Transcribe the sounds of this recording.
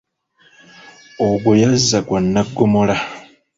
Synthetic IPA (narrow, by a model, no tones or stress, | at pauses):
oɡwojazːakwanːaɡːomola